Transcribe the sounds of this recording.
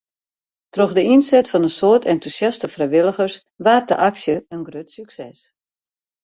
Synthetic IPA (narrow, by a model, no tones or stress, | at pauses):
troxdəinsɛtfɔnənsoərtʰɛntusjastəfrɛjʋɪlˠəɣərs | ʋaːdə̰ʔaksjəənɡrøtsyksɛs